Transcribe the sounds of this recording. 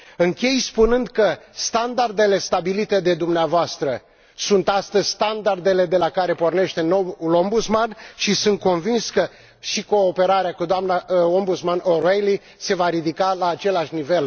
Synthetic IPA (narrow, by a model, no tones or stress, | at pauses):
ɨŋkʲe̞jspunɨnd̪kəst̪and̪ard̪e̞le̞st̪abilit̪e̞d̪e̞d̪umneavoast̪ɾə | sunt̪ast̪əzʲst̪and̪ard̪e̞le̞d̪e̞lakaɾe̞po̞rne̞ʃt̪e̞no̞wulo̞mbut̪smanʃisɨnt̪̚ko̞nvinskə | ʃiko̞ːpe̞ɾaɾeakud̪oamnao̞mbut̪smanʔo̞ɾejli | se̞vaɾid̪ikalaːt͡ʃe̞laʃnive̞l